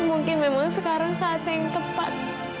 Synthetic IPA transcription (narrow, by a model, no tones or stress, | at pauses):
muŋkɪnmemaŋsəkaɾaŋsaːt̪ɛŋt̪əpa̰t̪̚